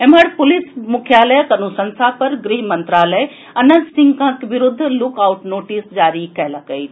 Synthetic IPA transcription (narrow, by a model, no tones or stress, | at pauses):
em̤ɐɽpʊlismukʰjaːləjəkɐnusɐ̃nsapɐɾɡɾiɦmɐnt̪ɾaːləj | ɐnənt̪sɪ̃ŋɡkʰãkʋɪɾʊd̪ʱːlʊkaʊʈnoːʈisd͡ʒaːɾikɐɦlakəjt̪ʰ